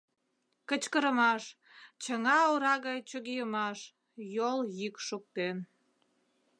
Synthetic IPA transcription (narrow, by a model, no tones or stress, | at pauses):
kət͡ɕkəɾəmɑʃ | t͡ɕəŋɑoɾɑɣɑjt͡ɕoɣijəmɑʃ | joljykʃuk̚t̪en